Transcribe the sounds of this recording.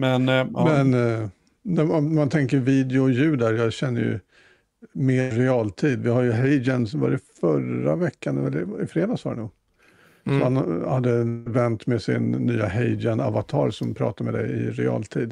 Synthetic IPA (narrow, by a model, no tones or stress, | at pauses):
mɛnmɛn | næmant̪ʰɛŋkəɾviːd̪ɛʊɔjʉ̟ːd̪æɾjɑɡɕɛnːə̰jɵ̰ | meːɾɛɑːlt̪ʰiːd̪vɪhajɵɦɛɪd͡ʒɛnsɔvɑ̰ːɾɛfœɾa̰vɛkːanɛlːəɪfɾeːd̪ɑsɔːd̪ɛ̰nuːɡ | sɔhanhad̪ːəvɛnt̪mɛsɪ̰nːyːaɦɛjd͡ʒɛna̰vat̪ʰɑ̰ːɾsɔmpʰɾɑ̰ːt̪aɾmɛ̰d̪ɛ̰jɪ̰ɾɛ̰ɑ̰ːlt̪ʰiːd̪